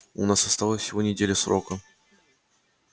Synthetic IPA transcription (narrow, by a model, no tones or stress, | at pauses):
ʊ̰nasɐst̪alˠəfʲsʲɪvo̞nʲɪdʲelʲəsɾo̞kə